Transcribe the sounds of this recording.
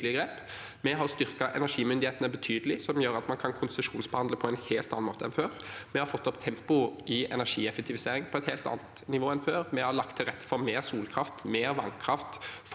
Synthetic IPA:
lɪəɡɾeːp | mɛɦɑʁst̪ʏʁkɑʔɛ̰næʂiːmʏnd̪ɪheːt̪ənəbət̪ʰyːd̪əlɪsɔmjøːɾɑt̪mɑnkʰɑnkʰʊnsəʂuːnsbəhɑnd̪ləpʰɔɛnheːlt̪ɑnɑnmoːt̪əɛnføːʁmɛhɑɾfɔt̪ːɔpt̪ʰɛmpʊʔɪɛ̰næɾʂiːɛfɛk̚t̪ɪʋɪseːɾɪŋpʰɔɛt̪heːlt̪ɑ̰ːnət̪nɪʋoːɛnføːʁmɛhɑɾlɑk̚t̪ʰːɪlʁɛt̪ːə̥fɔɾmeːʁsuːlkʰʁɑft̪meːɾʋɑŋkʰɾɑft̪f

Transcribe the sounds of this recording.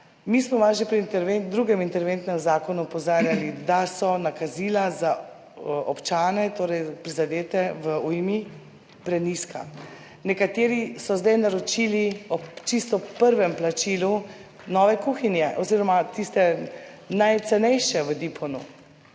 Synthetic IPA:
miːsmɔʋaʒepɾiint̪ɛɾʋend̪ɾuɡɛmint̪ɛɾʋent̪nɛmzaːkɔnuɔpɔzaːɾjalid̪asɔnakazilaza | ʔɔpt͡ʃaːnɛt̪oːɾɛjpɾizad̪eːt̪ɛʋəujmi | pɾɛniska̰ | nɛkat̪eːɾisɔzd̪ɛjnaɾɔt͡ʃiːliɔt͡ʃist̪ɔpəɾʋɛmplat͡ʃilu | nɔːʋɛkuːxinjɛʔɔziɾɔmat̪ist̪ɛ | najt̪sɛnɛjʃɛʋəd̪ipʰɔnu

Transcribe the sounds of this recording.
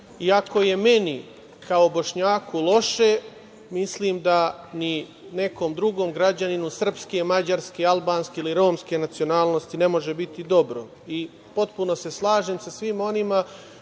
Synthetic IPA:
iako̞je̞me̞ni | kaobo̞ʃɲaːkʰulˠo̞ʃe̞ | misliːmd̪ani | ne̞ko̞ːmd̪ɾuɡo̞ːmɡɾad͡ʑaninusr̩pske̞mad͡ʑaɾskealˠbaːnskeiliɾo̞ːmske̞nat̪sio̞naːlnost̪ine̞mo̞ʒe̞bit̪id̪o̞bɾo̰ | i | po̞t̪puno̞se̞slˠaːʒemsasʋimo̞nima

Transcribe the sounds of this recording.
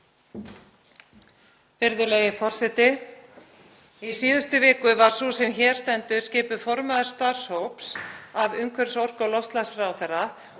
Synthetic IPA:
vɪɾðʏlejɪfɔr̥sɛt̪ɪ | isiːðʏst̪ʏvɪːkʏvaɾ̥susɛmçɛːɾ̥st̪ɛnt̪ʏscɪːpʏfɔɾmaðaɾ̥st̪aɾ̥showpsavʏŋkʰvɛɾsɔr̥kɔlɔst̪lasraːwθɛrːa

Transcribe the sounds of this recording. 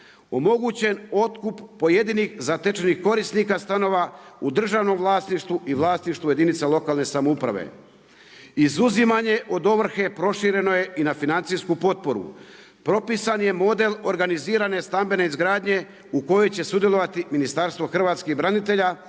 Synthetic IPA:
o̞mo̞ɡut͡ɕe̞no̞t̪kupːo̞jed̪inixzat̪et͡ʃenixko̞ɾisnikast̪ano̞ʋaud̪r̩ʒaːʋno̞mvlˠaːsniʃt̪ʋuʔiʋlˠaːst̪iʃt̪uje̞d̪init̪selo̞kaːlne̞samoupɾa̰ʋḛ | izuzimaɲe̞ʔo̞d̪o̞ʋr̩xe̞pɾo̞ʃiɾe̞no̞je̞ʔinafinant̪siskupo̞t̪̚po̞ɾṵ | pɾo̞pisanje̞mo̞d̪e̞lˠo̞ɾɡaniziːɾane̞st̪ambe̞ne̞izɡɾaːd̪ɲe̞ | uko̞jo̞jt͡ɕe̞sud̪je̞lˠo̞ʋat̪iminist̪aɾst̪ʋo̞xr̩ʋaːt̪skebɾanit̪̬e̞ʎa

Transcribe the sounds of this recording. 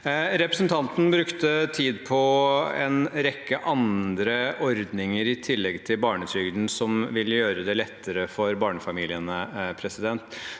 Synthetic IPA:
ɾɛpɾəsnt̪ʰɑnt̪n̩bɾʉkt̪ət̪ʰiːd̪pʰɔɛ̰nɾɛkːəʔɑnd̪ɾəʔɔɾd̪nɪŋəɾɪt̪ʰɪlːɛɡt̪ʰɪlbɑːɳət̪ʰɾʏɡd̪n̩sɔmʋɪljøːɾəd̪ɛlɛt̪ːəɾəfɔɾbɑːɳəfɑmiːlɪənəpʰɾɛsɪd̪ɛnt̪

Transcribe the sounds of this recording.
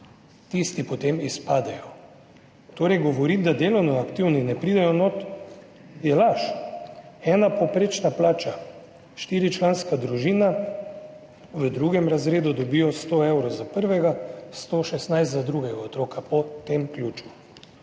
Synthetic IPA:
t̪ist̪ipɔt̪emispaːd̪ɛjɔ | t̪oːɾɛjɡɔʋɔɾid̪ad̪eːlɔwnɔakt̪iwninɛpɾiːd̪ɛjɔnot̪ | jɛlaʃ | ɛːnapɔpɾeːt͡ʃnaplaːt͡ʃa | ʃt̪iːɾit͡ʃlaːnskad̪ɾuʒiːna | ʋəd̪ɾuɡɛmɾazɾeːd̪ud̪ɔbiːjɔst̪oewɾɔzapəɾʋɛɡast̪oʃɛst̪najst̪zad̪ɾuɡɛɡaɔt̪ɾoːkʰapɔt̪emklʲjuːt͡ʃu̥

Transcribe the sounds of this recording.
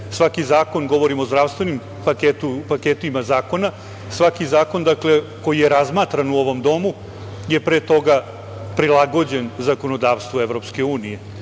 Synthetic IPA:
sʋakizaːko̞nɡo̞ʋo̞ɾimo̞zd̪ɾaʋst̪ʋe̞nim | paket̪upaket̪uimazaːko̞na | sʋakizaːko̞nd̪akle̞ | ko̞jijeɾazmaːt̪ɾanuo̞ʋo̞md̪o̞mu | je̞pɾeːt̪o̞ɡa | pɾilˠaɡo̞d͡ʑe̞nzako̞nod̪aːʋst̪ʋoevɾo̞pske̞uːnije̞

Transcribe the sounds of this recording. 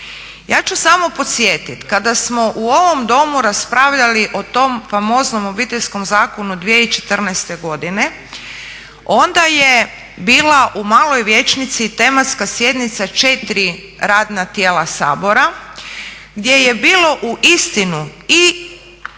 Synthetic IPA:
ja̰ːt͡ʃusamo̞po̞t̪sje̞ːt̪it̪kad̪asmo̞ʔuo̞ʋo̞md̪o̞muɾaspɾaːʋʎaliʔo̞t̪o̞mfamo̞ːzno̞mo̞biːt̪eʎʲsko̞mzaːko̞nud̪ʋijeit͡ʃe̞̥t̪r̩nɛst̪e̞ɡo̞d̪ine̞ | o̞nd̪aje̞ | biːlˠaʔumaːlo̞jʋje̞t͡ʃnit̪sit̪e̞mat̪skasje̞d̪nit̪sat͡ʃe̞t̪ɾi | ɾaːd̪nat̪jeːlasa̰ːbo̞ɾa | ɡd̪ʲje̞je̞biːlo̞ʔuʔist̪inui

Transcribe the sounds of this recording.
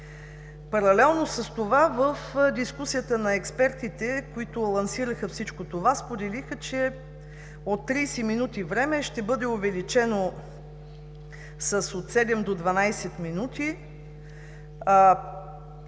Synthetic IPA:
pɐɾɐlɛlˠnosəst̪ovavəfd̪iskusijət̪ənɐɛkspɛɾt̪it̪ɛkoit̪ʊlˠɐnsiɾəxəfsit͡ʃkot̪ovaspod̪ɛlixət͡ʃɛ | ot̪ːɾisɛminut̪ivɾɛmɛʃt̪ɛbɤd̪ɛovɛlit͡ʃɛno | səsot̪sɛd̪ɛmd̪od̪vɐnajsɛt̪minut̪i

